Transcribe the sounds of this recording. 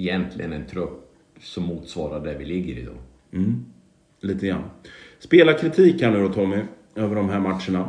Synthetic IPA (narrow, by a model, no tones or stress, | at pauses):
ɛjɛnt̪ʰlɪ̰ɡənɛnt̪ʰɾɵpː | sɔmːuːt̪svɑːɾaɖæɾvɪlɪɡːəɾɪ̰d̪ɑ̰ː | m̩ː | liːt̪əɡɾa̰nːspeːlakʰɾɪt̪ʰiːkʰːand̪ɵɾɔt̪ʰɔːmɛ | øːvəɖɔmɦæːɾmat̪ʂəɳa